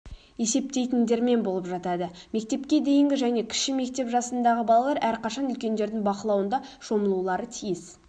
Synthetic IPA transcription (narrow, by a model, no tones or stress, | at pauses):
e̞se̞p̚t̪e̞jt̪ɪnd̪e̞ɾme̞nbo̞lˠəpʒɑt̪ɑd̪əme̞k̚t̪e̞pkʲe̞d̪e̞jɪŋɡʲɪʒæne̞kʲʰɪ̥ʃkɪme̞k̚t̪e̞pʒɑsənd̪ɑʁəbɑlˠɑlˠɑɾʔæɾqɑʃɑnʏlkʲe̞nd̪e̞ɾd̪ɪŋbɑqəlˠɑwənd̪ɑʃo̞məlˠulˠɑɾət̪ʰijɪs